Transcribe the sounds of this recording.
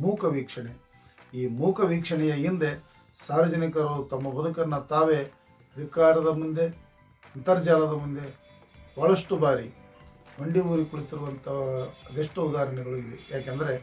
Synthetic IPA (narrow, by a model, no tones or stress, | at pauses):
muːkʰɐʋiːkʂɐɳe | iːmuːkʰɐʋiːkʂɐɳɛjɐind̪e | saːɾɐd͡ʒɐnikɐɾout̪ɐmːɐbɐd̪ukɐnːɐt̪aːʋe̞ | ɐd̪ʱikaːɾɐd̪ɐmund̪e̞ | ɐnt̪ɐɾd͡ʒaːlɐd̪ɐmund̪e̞ | bɐɭɐʂʈubaːɾi | mɐɳɖiʋuːɾikuɭit̪iɾuʋɐnt̪ɐɐd̪eʂʈuud̪aːɾɐɳɛɡɐɭuiʋejaːkeːnd̪ɐɾe̞